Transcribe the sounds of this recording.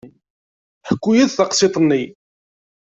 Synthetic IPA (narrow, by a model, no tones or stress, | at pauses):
ħəkʷːujæðθɑqsˤet̪ˤnːi